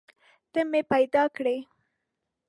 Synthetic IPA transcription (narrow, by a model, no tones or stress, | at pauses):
t̪əmepajd̪ɑkɽe